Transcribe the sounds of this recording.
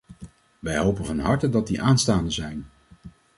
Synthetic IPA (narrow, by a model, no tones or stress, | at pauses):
ʋɛjɦowpənvɑnɦɑɹtədɑt̚diʔaːnstaːndəzɛjn